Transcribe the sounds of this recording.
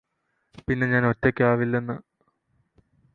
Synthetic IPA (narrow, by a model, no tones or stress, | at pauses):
pinːe̞ɲaːno̞tːekʲːeaːʋilːe̞nːɨ